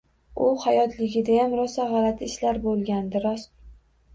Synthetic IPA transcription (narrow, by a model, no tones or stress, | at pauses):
ʊhajɒt̪ʰlɪɡʲɪd̪ajamɾɒsaʁɑlat̪ʰɪʃlaɾbolˠɡʲand̪ɪɾɒs